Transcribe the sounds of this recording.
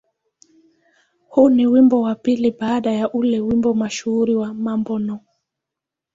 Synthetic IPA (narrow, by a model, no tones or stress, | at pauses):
huniwimbɔwapiliɓaːɗajaʔulɛwimbɔmaʃuuɾiwamambɔnɔ